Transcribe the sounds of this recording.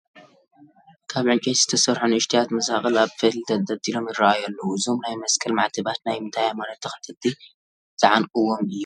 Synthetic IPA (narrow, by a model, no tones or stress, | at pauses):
kʰaβʕɨnt͡ʃʼejz̥ɨt̪ʰɐsɐɾħonɨʃt̪ʰijat̪mɐzaxʼɨlaβfɨld̪ɐd̪ɐd̪ilo̞mjɪraʔajɐlːɐwuɨzomnajmɐskʰɐlmaʕt̪ʰɨbat̪najmɨnt̪ʰajamanɐt̪ʰːɐxɐ̥t̪ʰɐt̪ːi | z̥ɐʕanʔʼɨwːomɨjːu